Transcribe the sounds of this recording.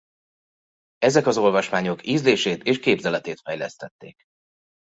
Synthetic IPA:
ɛzɛkɒzo̞lvɒʃmaːɲo̞kiːzleːʃeːt̪eːʃkeːbzɛlɛt̪eːt̪fɛjlɛst̪ɛt̪ːeːk

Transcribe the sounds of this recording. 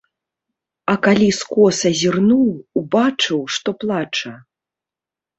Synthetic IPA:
ɐkalʲiskɔsɐzʲirnuwːbat͡ʂɨwʂt̪ɔplˠat͡ʂɐ

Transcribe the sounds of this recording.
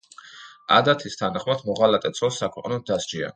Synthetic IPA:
a̰d̪at̪ʰist̪ʰanaχmad̪mɔʁalat̪ʼɛt̪sʰɔsakʰwɛqʼnɔd̪asd͡ʒia̰

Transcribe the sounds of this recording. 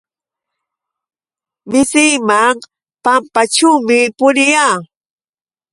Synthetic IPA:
mɪsɪjmaŋ | pampaʈ͡ʂuwmɪpʊɾɪjaː

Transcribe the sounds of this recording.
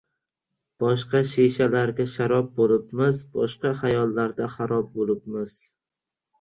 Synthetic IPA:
b̥ɒʃqɑʃeʃalaɾɡʲaʃaɾɒp̚bolɪpmɪzbɒ̰ʃqɑhajɒlˠːaɾd̪aχaɾɒb̚bolɪp̚mɪz̥

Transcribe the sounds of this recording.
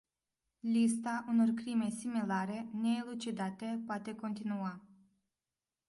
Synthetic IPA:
list̪aʔuno̞rkɾime̞similaɾe̞ne̞ilut͡ʃid̪at̪e̞poat̪e̞ko̞nt̪inua

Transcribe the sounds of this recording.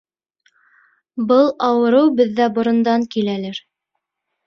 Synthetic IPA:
bɤlˠɑwɤ̆ɾɤwbɘ̆ðːæbŏɾɤ̆nd̪ɑŋkilælæɾ

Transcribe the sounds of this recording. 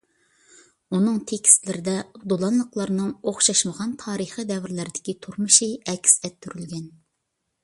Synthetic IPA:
unɨŋt̪ʰekʲi̥st̪lɪɾɪd̪ɛd̪olˠɑnlˠəqlˠɑɾɨnɨŋoχʃɑʃməʁɑnt̪ʰɑːɾəχid̪ɛvɪɾlæɾɪd̪ɪkʲit̪ʰuɾmuʃiɛkʲʰsɛt̪ʰːyɾylɡʲɛn

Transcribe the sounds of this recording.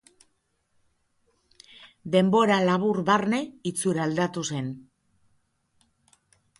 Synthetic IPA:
d̪e̞mbo̞ɾalaβ̞uɾβarne̞it͡suɾald̪at̪use̞n

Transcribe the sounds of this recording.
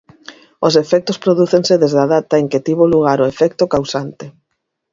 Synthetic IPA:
os̬efɛk̚t̪ospɾoðuθeŋseðezðaðat̪aeŋket̪iβoluɣaɾʊefɛk̚t̪okawsant̪e

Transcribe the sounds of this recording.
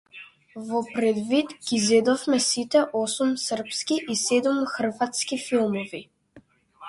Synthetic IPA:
vɔpɾɛd̪vit̪ɡ̥izɛd̪ɔfmɛsit̪ɛʔɔsumsər̩pskiʔisɛd̪umxr̩vat̪skifilˠmɔvi

